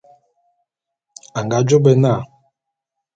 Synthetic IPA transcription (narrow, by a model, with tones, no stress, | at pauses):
a˨ŋ˨ɡa˨˦d͡ʒo˦bɛ˦na˦˨